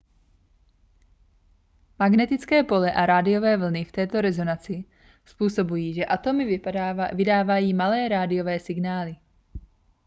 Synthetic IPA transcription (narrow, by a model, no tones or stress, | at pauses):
maɡnɛt̪ɪt͡skɛːpo̞lɛʔaɾaːdɪjo̞vɛːvl̩nɪft̪ɛːt̪o̞ɾɛzo̞nat͡sɪ | spuːso̞bujiːʒɛʔat̪o̞mɪvɪdaːvajiːmalɛːɾaːdɪjo̞vɛːsɪɡnaːlɪ